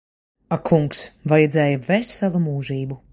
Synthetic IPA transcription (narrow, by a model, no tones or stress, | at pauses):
akʰuŋksvajɛd̪zɛːjɐvɛsʲsalˠumuːʒiːbu